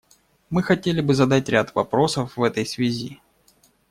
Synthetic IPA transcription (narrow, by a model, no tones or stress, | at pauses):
mɨxɐtʲelʲɪbɨzɐd̪atʲɾʲat̪vɐpɾo̞səfvɛt̪əjsvʲɪzʲi